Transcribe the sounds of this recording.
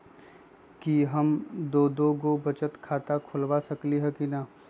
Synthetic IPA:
kiɦɐmd̪oːd̪oːɡobɐt͡ʃət̪kʰaːt̪akʰʊlʋasɐkliɦɛkina

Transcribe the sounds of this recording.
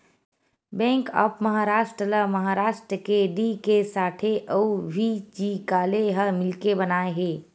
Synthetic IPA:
bɛ̃ːŋka̰pməɦaɾaːʃʈɾələməɦaːɾaːʃʈɾəkeɖikesaːʈʰeʔəubʱid͡ʒikaːleɦəmɪlkebənaːeɦeː

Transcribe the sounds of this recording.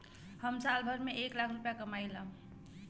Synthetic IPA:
həmsalbʱəɾmeeklakʰɾupjakəmajlə

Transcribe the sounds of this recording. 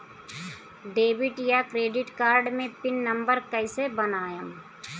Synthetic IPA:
ɖeːbɪʈjakɾeːɖɪʈkaːɾɖmẽpɪnːɐ̃mbəɾkəɪsebənaːjəm

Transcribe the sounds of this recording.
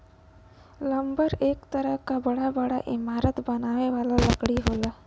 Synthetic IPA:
lə̃mbəɾeːkt̪əɾəɦkabəɽabəɽaʔɪmaːɾət̪bɐnaːʋeʋaːlalɐkɽiɦoːlaː

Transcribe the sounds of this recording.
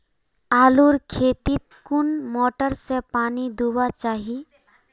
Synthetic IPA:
aːluɾkʰeːt̪it̪kʊnmɔːʈəɾsepaːnid̪uwat͡ʃaːɦi

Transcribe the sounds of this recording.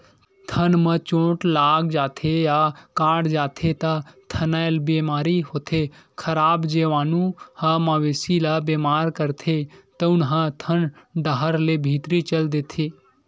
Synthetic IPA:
t̪ʰɐnmə̃t͡ʃõːʈlaːɡd͡ʒaːt̪ʰejaːkaːɽd͡ʒaːt̪ʰet̪ɐt̪ʰɐnaːjlbeːmaːɾiɦoːt̪ʰe | kʰɐɾaːbd͡ʒeːʋaːnũhɐmɐʋeːsilabeːmaːɾkəɾt̪ʰet̪ɐʊnɦɐ̃t̪ʰənɖəɦəɾlebʱiːt̪ɾit͡ʃɐld̪eːt̪ʰeː

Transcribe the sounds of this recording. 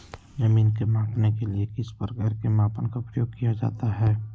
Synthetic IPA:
zɐmiːnkemãːpnekeliekɪspəɾɡəɾkemaːpənkaʊpɾəjoːɡkijad͡ʒa̰ːt̪aɦɛː

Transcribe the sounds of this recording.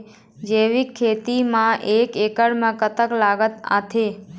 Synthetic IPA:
d͡ʒeʋikʰːet̪imãʔekekəɽmãkət̪əklaɡət̪a̰t̪ʰe

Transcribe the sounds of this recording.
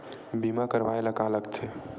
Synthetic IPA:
bimakəɾʋaeləɡaləkt̪ʰe

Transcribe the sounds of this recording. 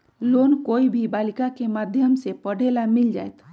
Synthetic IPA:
loːnkoːibʱibaːlikakemaːd̪ʱjəmsepəɽ̤ʱelamild͡ʒa̰ːet̪ʰ

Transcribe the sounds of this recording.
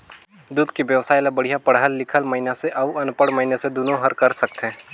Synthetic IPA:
d̪uːd̪kiʋjəʋsaːɪlabɐɽ̤ijapɐɽɦəlːɪkʰəlmɐɪnaseʔɐʋɐnpəɽmɐɦinesed̪uːnõɦɐɾkɐɾsɐk̚t̪ɛ̃ː

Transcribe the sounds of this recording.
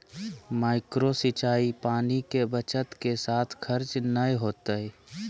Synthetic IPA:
maːɪkɾosɪt͡ʃaːipaːnikebət͡ʃət̪kesaːt̪ʰkʰəɾt͡ʃnəjɦoːt̪əɛ

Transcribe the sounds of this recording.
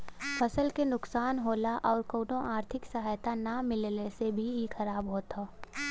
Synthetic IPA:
fʰɐsəlkenʊksaːnɦoːlaʔɔːɾkoːɖõʔaːɾt̪ʰɪksɐɦaːjt̪anamɪllesebʱiixɐɾaːbɦoːt̪aː

